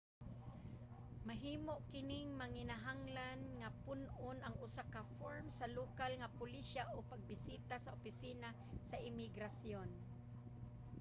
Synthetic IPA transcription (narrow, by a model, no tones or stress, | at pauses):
maɦiːmoʔkɪnɪŋmaŋɪnaɦaŋlanŋapʊnʔʊnʔaŋʊsakafoɹmsalukalŋapʊliʃaʔopaɡ̚bɪsiːt̪asaʊpɪsiːna | saʔɪmɪɡɾasjon